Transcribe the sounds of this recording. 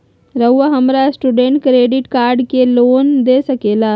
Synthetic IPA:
ɾəwʋəɦəmɾasʈuɖeɳʈ̚kɾeɖiʈkaɾɖkelond̪esəkela

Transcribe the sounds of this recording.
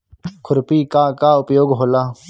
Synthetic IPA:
kʰʊɾpiːkaːkaːʊpjoːɡɦoːlaː

